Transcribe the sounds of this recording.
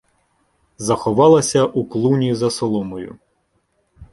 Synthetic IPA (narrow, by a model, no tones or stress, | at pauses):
zɐxɔʋɑlˠɐsʲɐʔuklˠunʲizɐsɔlˠɔmɔjʊ̰